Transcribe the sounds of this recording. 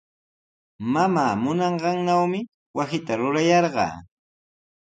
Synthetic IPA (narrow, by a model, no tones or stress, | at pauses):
mamaːmʊnɑɴɢɑŋnawmɪ | wasɪt̪aɾʊɾajɑɾɢɑ̰ː